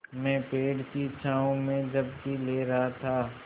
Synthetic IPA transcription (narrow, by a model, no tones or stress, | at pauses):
mɛ̃ːpeːɽkit͡ʃʰaːõmẽd͡ʒɐbkileːɾɐɦat̪ʰaː